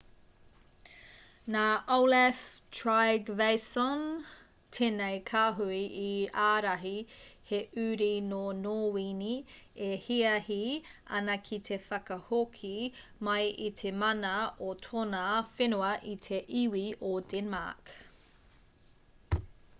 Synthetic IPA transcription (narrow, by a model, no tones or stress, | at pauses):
naːʔowlɛftʰɹajɡvejsɔn | tʰeːnejkʰaːɦuiʔiaːɾɐɦiheʔʉːɾinonoːwiniehiɐhiʔɐ̰nɐkʰit̪ʰe̞fɐkɐhokʰimɐjʔit̪ʰemɐnɐot̪ʰonafenuɐʔitʰeʔiwiodɛnma̰k